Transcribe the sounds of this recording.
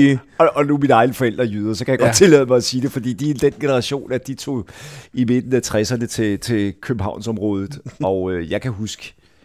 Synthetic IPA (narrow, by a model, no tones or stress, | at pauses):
ɒʔɒ̽numinɑ̈ɪnəfɒ̽el̰d̥ʁɐjyð̞ˠɐsɒ̽kʰæjaɡ̥ɒ̥̽t͡sʰe̝lɛð̰ˠəmɑ̈ɪɒ̽siːd̥e̝fɒd̥ḭːd̥iid̥enɡ̥e̝nəʁɑ̈ɕo̝̰ːnæd̥it͡sʰo̝̰ime̝d̥n̩æt͡sʰʁɛsɐnət͡sʰe̝t͡sʰe̝kʰøb̥m̩ɦɑ̈ʊ̰nsɒ̽mʁɔ̽ːð̞ˠð̩ˠɒ̽øjɑ̈ɪkʰæɦusɡ̥ə̥